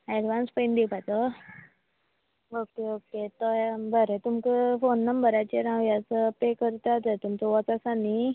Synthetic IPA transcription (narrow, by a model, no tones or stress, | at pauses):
ɛɽʋanspejnd̪ipat̪ɔ | okeoket̪ɔbəɾet̪umkəfonːəmbəɾat͡ɕeɾãʋjat͡səpekəɾt̪at̪ət̪umt͡səʋɔt͡sasani